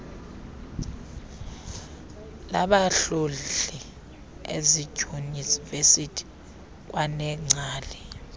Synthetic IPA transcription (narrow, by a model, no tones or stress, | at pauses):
la̰ɓaɬolɛ | ḛzi̥ʒ̥ʱunisvesitʰi̥ | k̬ʼwanɛŋ͡ǀʱaːlɛ